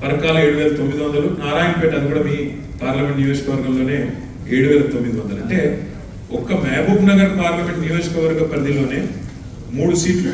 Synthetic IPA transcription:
pɐɾɐkaːlɐeːɽuʋɛːlɐt̪omːid̪iʋɐnd̪ɐlunaːɾaːjɐmpeːʈɐd̪ikuːɽɐmiː | paːɾlɐmeɳʈnijoːd͡ʒɐkɐʋɐɾɡɐmlo̞ːne̞ː | eːɽuʋɛːlɐt̪omːid̪iʋɐnd̪ɐlɐɳʈe̞ː | ɔkɐmɛːbʱɐpnɐɡɐɾpaːɾlɐme̞ɳʈnijo̞ːd͡ʒɐkɐʋɐɾɡɐpɾɐd̪ilo̞ːne̞ː | muːɽusiːʈlu

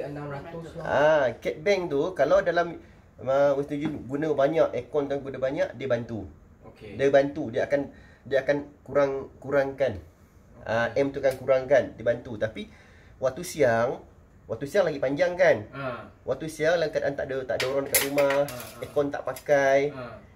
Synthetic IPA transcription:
akɛt̪̚bɛŋt̪ukalawdalam | əwəst̪ud͡ʒuɡunəbaɲaʔekɔnt̪aɡunəbaɲaʔdiəbant̪u | kdiəbant̪udiəakan | diəakankuɾaŋkuɾaŋkan | ʔəɛmt̪uakankuɾaŋkandiəbant̪ut̪api | waʔt̪usiaŋ | waʔ̚t̪usiaŋlaɡipaɲd͡ʒaŋkanwaʔt̪usiaŋlakadaʔant̪a̰ʔdət̪a̰ʔdoɾɔnkaʔɾumahekɔnt̪a̰ʔpakaj

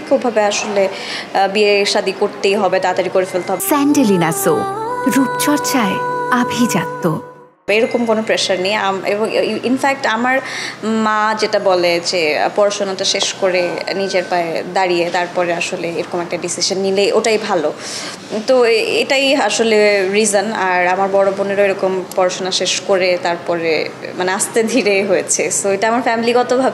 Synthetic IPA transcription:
kʰubʱabeaʃole | bieʃad̪ikoɾt̪ejɦɔbet̪at̪aɾikoɾefelt̪eɦɔbesɛɳɖelinasoɾup̚t͡ɕɔɾt͡ɕaeabʱid͡ʑat̪ːo | eɾɔkomkonopɾeʃaɾnejamḛboŋinfɛk̚ʈamaɾmãd͡ʑeʈabɔled͡ʑepɔɾaʃonot̪aʃeʃkoɾenid͡ʑeɾpaed̪aɾijet̪aɾpɔɾeaʃoleeɾɔkomɛk̚ʈaɖisiʃonːileʔoʈajbʱalo | t̪oeʈajaʃoleɾizonaɾamaɾbɔɽoboneɾoeɾɔkompɔɾaʃonaʃeʃkoɾet̪aɾpɔɾḛmaneast̪ed̪ʱiɾeɦojet͡ɕʰesoeʈaamaɾfɛmiliɡɔt̪obʱabe

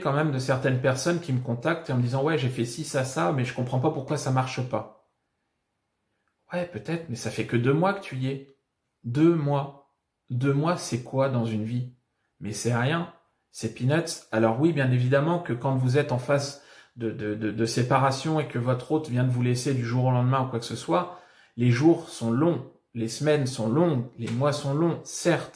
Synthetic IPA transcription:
kɑ̃mɛmd̪əsɛʁt̪ɛnpɛʁsɔnkʲiməkɔ̃t̪ak̚t̪eɑ̃məd̪izɑ̃wɛʒefɛsisasamɛʒəkɔ̃pχɑ̃papuʁkwasamaʁʃəpa | wɛpøt̪ɛt̪χmɛsafɛkəd̪ømwakə̥t̪yɛ | d̪ømwa | d̪ømwasɛkwad̪ɑ̃zynvi | mɛsɛʁjɛ̃ | sɛpinœt̪salɔʁwibjɛ̃nevid̪amɑ̃kəkɑ̃vuzɛt̪ɑ̃fasd̪əd̪əd̪əd̪əsepaʁasjɔ̃ekəvɔt̪χot̪vjɛ̃d̪əvulɛsed̪yʒuʁolɑ̃d̪mɛ̃ukwaksəswa | leʒuʁsɔ̃lɔ̃ | lesəmɛnsɔ̃lɔ̃ɡlemwasɔ̃lɔ̃sɛʁt̪

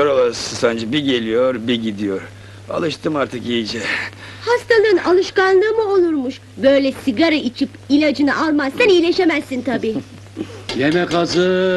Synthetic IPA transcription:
joɾolˠaɾɯsɯsand͡ʒɛbiɟe̞lʲijoɾbiɟid̪ijoɾ̥ | a̰lˠɯʃt̪ʰɯmaɾt̪ʰɯkijd͡ʒɛ | hast̪ʰalˠɯɯnalˠɯʃkanlˠɯːmɯo̞lˠuɾmuʃ | bø̞jlʲɛsiɡaɾait͡ʃʰip | ilʲad͡ʒɯna̰ʔalˠmazsanijlʲe̞ʃe̞mæsːint̪ʰabiː | jemɛkazɯ

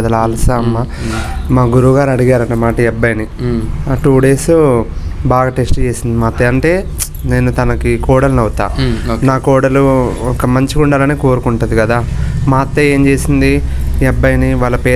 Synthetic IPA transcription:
d̪ɐlaːlɐsaɐmːa | maːɡuɾuɡaːɾɐɽiɡaːɾɐnːɐmaːʈɐɛbːɐjɐni | ʈuːɖe̞ːsubaːɡɐʈeːsʈt͡ʃeːsind̪imaːt̪ːeːɐɳʈe̞ː | ne̞ːnut̪ɐnɐkikɔːɽɐlnɐʋt̪a̰ːnaːkɔːɽɐluɔkɐmɐɲt͡ʃiɡuɳɖalɐːneːko̞ːɾukuɳʈud̪ikɐd̪aːmaːt̪ːeːeːmt͡ʃe̞ːsind̪iɛbːɐjɐniʋaːɭːɐpeː

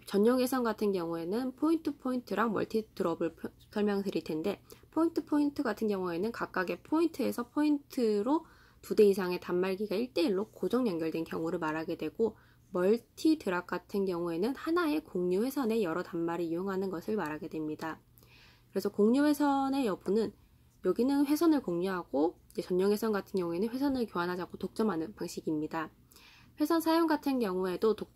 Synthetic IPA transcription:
t͡ɕʌɲːʌŋesʰʌnɡatʰɯnɡjʌŋue̞nɯnpʰointʰɯpʰointʰɯɾaŋmʌ̰ɭtʰitɯɾʌbɯɭʰ | sʰʌɭmjʌŋdɯɾiɭtʰe̞nde̞pʰointʰɯpʰointʰɯɡatʰɯnɡjʌŋue̞nɯnkak̚k͈aɡe̞pʰointʰɯe̞sʰʌpʰointʰɯɾo | tude̞isʰaŋe̞tamːaɭɡiɡaiɭt͈e̞iɭːokod͡ʑʌŋɲʌŋɡjʌɭdwenkjʌŋuɾɯɭmaɾɦaɡe̞dwe̞ɡ̥o | mʌɭtʰitɯɾak̚k͈atʰɯnɡjʌŋue̞nɯnhanae̞koŋɲuɸwe̞sʰʌne̞jʌɾʌtamːaɾiioŋɦanɯnɡʌsʰɯɭmaɾaɡe̞dwe̞mɲida | kɯɾe̞sʰʌkoŋɲuɸwe̞sʰʌne̞jʌbunɯn | jʌɡinɯnɸwe̞sʰʌnɯɭkoŋɲuɦaɡ̥oid͡ʑet͡ɕʌnːʌŋɦwe̞sʰʌnɡatʰɯnɡjʌŋue̞nɯnɸe̞sʰʌnɯɭkjoɦanɦad͡ʑakʰotok̚t͡ɕ͈ʌmɦanɯnpaŋɕʰiɡimɲida | ɸwe̞sʰʌnsʰajoŋɡatʰɯnɡjʌŋue̞doto

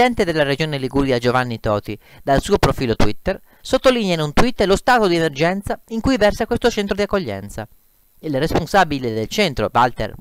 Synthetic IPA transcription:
ɛnt̪ed̪elːaɾed͡ʒoːneliɡuɾiad͡ʒovanːit̪ɔːt̪i | d̪alsuːopɾofiːlot̪wit̪ːer | sot̪ːolinjanunt̪wit̪ːlost̪aːt̪od̪iemerd͡ʒɛnt̪saiŋkujvɛrsakwest̪ot͡ʃɛnt̪ɾod̪iakːoʎːɛ̰nt̪sa̰ | ilresponsabiled̪elt͡ʃɛnt̪ɾo̰valt̪ḛr

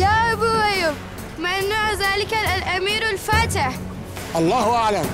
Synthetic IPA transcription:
jaːʔabuʔajʊb | manːaʕðaːlɪkallʔamiːɾalfaːt̪ɪħ | ʔɑlˤːɑːhʔaʕlam

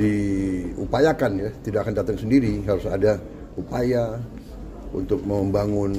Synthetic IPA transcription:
diupajakanjat̪idaʔkandat̪aŋsəndiɾiɦaɾusada | upaja | ṵnt̪ʊk̚məmbaŋʊn

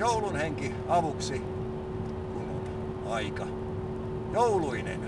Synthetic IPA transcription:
joulunheŋki | ɑʋuksi | kunun | ɑikɑ | jouluinḛn

